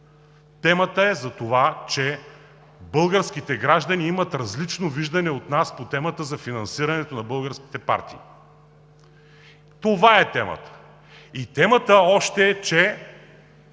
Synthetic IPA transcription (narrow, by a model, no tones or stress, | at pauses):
t̪ɛmət̪əɛzɐt̪ovat͡ʃɛ | bɤlˠɡəɾsk̟it̪ɛɡɾaʒd̪ɐniimɐt̪ɾɐzlit͡ʃnoviʒd̪ɐnɛot̪naspot̪ɛmət̪əzɐfinɐnsiɾɐnɛt̪onɐbɤlˠɡəɾsk̟i̥t̪ɛpa̰ɾt̪ḭː | t̪ovaɛt̪ɛmə̰t̪ə̥ | it̪ɛmət̪əɔʃt̪ɛːt͡ʃɛ